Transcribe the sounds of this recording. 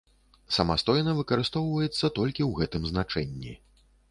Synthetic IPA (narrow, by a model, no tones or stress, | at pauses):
sɐmast̪ɔjnɐvɨkɐɾɨst̪ɔwvɐjɛt̪sːɐt̪ɔlʲkʲiwɣɛt̪ɨmznat͡ʂɛnʲːi